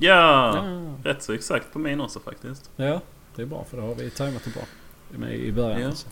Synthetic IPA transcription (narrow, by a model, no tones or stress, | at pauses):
jɑː | ɾɛt̪ːsɔɛksakt̪̚pʰɔmɪnɔsɔfa̰k̚t̪ɪst̪jɑ | d̪̥ɛːbɾɑ̰ːfœɖɛhaɾvɪt̪ʰaɪmat̪ɛbɾɑ̰ː | mɛ̰ɪ̰bœɾjasɔ̥